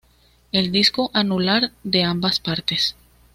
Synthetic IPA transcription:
e̞ld̪isko̞ʔanulaɾd̪e̞ambaspaɾt̪es

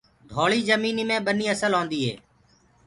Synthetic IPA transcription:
ɖ̪ʱoːɭiːzəmiːniːmẽːɓəniːəsəlɦõːnd̪iːɦḛː

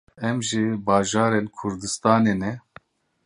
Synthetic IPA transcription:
ɛmʒibaːʒaːɾenkʰʊɾd̪ɨst̪aːneːnɛ

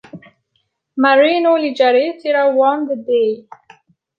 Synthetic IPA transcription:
maɾinolid͡ʒaɾesiɾawand̪əd̪e

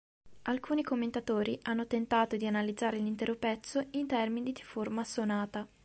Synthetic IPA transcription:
alkʰuːnikomːent̪at̪oːɾiʔanːot̪ent̪aːt̪od̪ianalid̪zaːɾelint̪ɛːɾopɛt̪sːoint̪ɛrminid̪iformasonaːt̪a

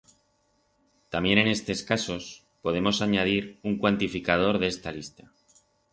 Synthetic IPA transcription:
t̪amje̞ne̞ne̞st̪e̞skaso̞s | po̞ðe̞mo̞saɲað̞iɾuŋkwant̪ifikað̞o̞ɾðee̞st̪alist̪ḁ

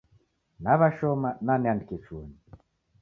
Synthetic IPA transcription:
naβaʃɔmananandket͡suoni

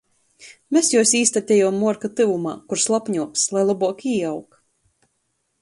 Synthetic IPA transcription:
mʲesjuɔsiːst̪at̪ʲɛjumːuɔɾkat̪ɨvuma̰ːkuɾslˠapɲuɔkslˠajlˠabuɔkiːawk

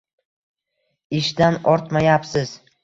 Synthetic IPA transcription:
ɪʃd̪anɒɾt̪majapsɪz̥

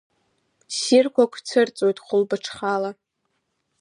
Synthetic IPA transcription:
sirkʷʰakʷʰt͡sʰɨrt͡sʼojtʼχʷʊlbɨʈ͡ʂʰχala

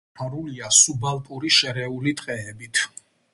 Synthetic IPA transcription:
aɾuliasubalˠpʼuɾiʃɛɾɛulit̪ʼqʼɛːbit̪ʰ

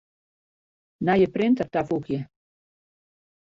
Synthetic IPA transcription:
najəprɪntərtafukjə

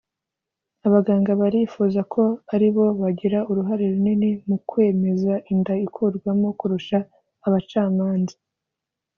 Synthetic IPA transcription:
aβaɡaːŋɡaβaɾifuzakʰo̞aɾiβo̞βaɟiɾauɾuɦaɾeɾuninimukwe̞ːme̞zaʔindaikʰuɾɡwamo̞kuɾuʃaː | βat͡ʃaːmaːnzḁ

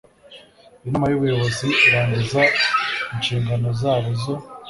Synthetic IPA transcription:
inamajuβujo̞βo̞ziiɾaːɲɟizainʃiːŋɡano̞zaːβozo̞

